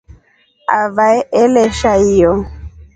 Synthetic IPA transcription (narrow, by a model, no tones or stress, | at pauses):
avaɛʔɛlɛʃaijɔ